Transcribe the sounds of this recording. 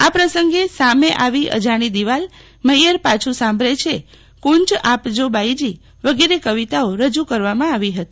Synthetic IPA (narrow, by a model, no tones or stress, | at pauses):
apɾəsəŋɡesameʔaʋiʔə̰d͡ʒaɽ̃id̪iʋal | məjəɾpat͡ʃʰusãmbʱɾet͡ʃʰe | kunt͡ʃapd͡ʒobʱajd͡ʒi | ʋəɡeɾekəʋit̪aoɾəd͡ʒukəɾʋamãaʋiɦət̪i